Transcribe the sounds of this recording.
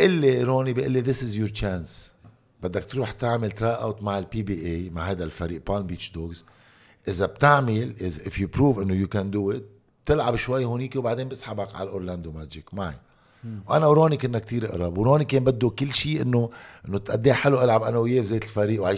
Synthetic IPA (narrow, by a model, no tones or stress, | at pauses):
ʔɪlːeɾoːnibiʔɪlːiðɪsɪzjʊɾt͡ʃaːns | bɪd̪ːak̚t̪ɾuːħt̪aʕmɪlt̪ɾaːʔawt̪maʕɪlpibiʔejmaʕɦajd̪alfaɾiːʔpɑːlmbiːt͡ʃd̪oɡz | ʔɪzab̚t̪aʕmɪlʔɪzʔɪfjupɾuːvʔɪnːojukand̪uːɪt̪̚ | b̥̚t̪ɪlʕabʃwajːhʊniːkiwbaʕd̪eːnbɪsħabakʕa̰lʔoɾland̪omaːd͡ʒɪkmaʕḭ | wʔa̰nawɾoːnikɪnːak̚t̪iːɾʔɪ̰ʔɾˤɑbwɾoːnikeːnbad̪ːukɪlːʃiːʔɪnːoʔɪnːot̪ʔad̪ːeːħɪlːuʔalʕabʔanawɪjeːbzeːt̪ɪlfaɾiːʔwʕa